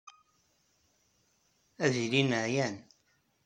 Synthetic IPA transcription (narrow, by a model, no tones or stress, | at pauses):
æðilinəʕjæn